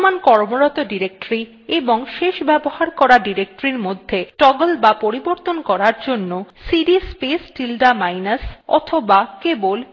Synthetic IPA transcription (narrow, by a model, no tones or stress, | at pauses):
mankɔɾmoɾɔt̪oɖiɾek̚ʈoɾi | eboŋʃeʃbɛbohaɾkɔɾaɖiɾek̚ʈoɾiɾmod̪ʱːeʈɔɡolbapoɾiboɾt̪onkɔɾaɾd͡ʑonːosiɖispesʈilɖamajnasɔ̰t̪ʰobakebol